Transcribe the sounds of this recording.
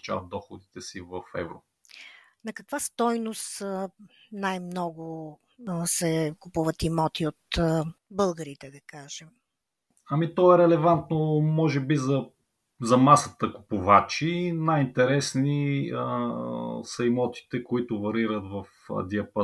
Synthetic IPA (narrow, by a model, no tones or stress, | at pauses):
t͡ʃa̰vət̪d̪ɔxʊd̪it̪ɛsivɐfɛ̰vɾo | nɐkɐkvast̪ɔjnost̪ | najmnɔɡʊ | sɛkupuvɐt̪imɔt̪iot̪bɤlˠɡəɾit̪ɛd̪ɐkaʒɛm | ɐmit̪ɔɛɾɛlɛvant̪nomɔʒɛbizɐ | zɐmasət̪əku̥pʊvat͡ʃinajint̪ɛɾɛsni | sɐimɔt̪i̥t̪ɛkoit̪ʊvɐɾiɾət̪vɐf | ə̰d̪iɐpə